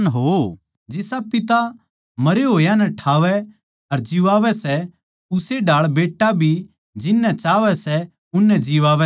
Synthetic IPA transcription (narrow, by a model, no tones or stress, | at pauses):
nɦoː | d͡ʒɪsapɪt̪a | mɐɾeɦoːjãnɛʈʰaːʋɛ | ɐɾd͡ʒɪʋaːʋɛsɛ | ʊseɖʱaːɭbeːʈːabʱi | d͡ʒɪnːɛt͡ʃaːʋɛsɛ | ʊnːɛ̃d͡ʒɪʋaːʋɛ